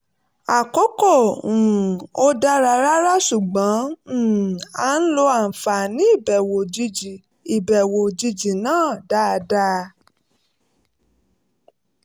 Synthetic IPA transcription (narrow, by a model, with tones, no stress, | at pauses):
a˨kɔ˨˦kɔ̃˦˨ | o˦da˦˧ɾa˧ɾa˦ɾa˦ʃu˨ɡ͡bã˨˦˨ | a˨˦n̩˦lo˧a˨fa˨nĩ˨˦i˦˨bɛ˨wo˨d͡ʒi˧d͡ʒi˨ | i˨bɛ˨wo˨d͡ʒi˧d͡ʒi˨nãː˦˨da˦˧da˦˧